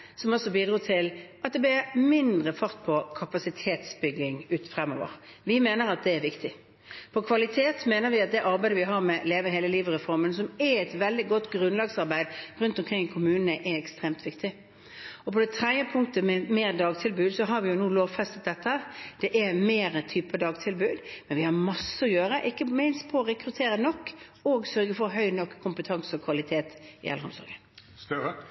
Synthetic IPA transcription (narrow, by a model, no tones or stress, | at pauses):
sɔmɔsːɔbiːd̪ɾuːt̪ʰɪlʔɑt̪̚d̪ɛblɪmɪnd̪ɾəfɑɾt̪̚pʰɔkʰɑpɑsɪt̪ʰeːt̪sbʏɡlɪŋʉːt̪fɾɛmɔːʋə̰ɾ | ʋɪmeːnəɾɑt̪̚d̪ɛæɾʋɪkt̪ɪ | pʰɔkʰʋɑlɪt̪ʰeːt̪meːnəɾʋɪɑt̪̚d̪ɛʔɑɾbæɪd̪əʋɪɦɑɾmɛleːʋəɦeːləliːʋəɾɛfɔɾmənsɔmɛɛt̪ʋɛld̪ɪɡɔt̪ːɡɾʉnlɑɡsɑʁbæɪd̪ɾʉnt̪ɔmkʰɾɪŋːkʰʊmʉːnənəʔɛɛkst̪ʁeːmt̪ʋɪkt̪ɪ | ɔpʰɔd̪ɛt̪ʰɾɛd̪jəpʰʊŋkt̪əmɛmeːɾd̪ɑːɡt̪ʰɪlbʉːd̪sɔɦɑɾʋɪjʊnuːloːʋfɛst̪ət̪̚d̪ɛt̪ːəhəd̪̥ɛʔɛmeːɾət̪ʰyːpəd̪ɑːɡt̪ʰɪlbʉːd̪mɛnʋɪhɑɾmɑsːəɔjøːɾəʔɪkːəmɪnspʰɔːɾɛkɾʉt̪ʰeːɾənɔkːɔɡsœɾɡəfɔɾɦœʏnɔkʰːʊmpət̪ʰɑŋsəɔkʰʋɑlɪt̪ʰeːt̪ɪ̰ʔɛ̰lːɾhɔ̰msɔ̰ɾɡənst̪ə